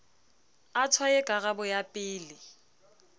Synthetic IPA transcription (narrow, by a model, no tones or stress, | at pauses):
atʰwajɛkʼaɣabʊjapʼɪːlɪ